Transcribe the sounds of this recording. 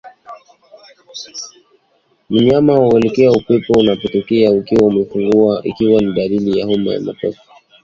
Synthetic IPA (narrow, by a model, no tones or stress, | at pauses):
m̩ɲamauɛlɛkɛaupɛpɔunapɔtɔkɛaukiwaumɛfuŋɡuaʔḭkiwaniɗalilijahuma̰ja̰ma̰kɔ̰fi̥